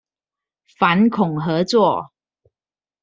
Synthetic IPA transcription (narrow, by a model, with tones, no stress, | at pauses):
fa˨˦nkʰʊ˨˩ŋɦɤ˨˦t͡swɔ˥˨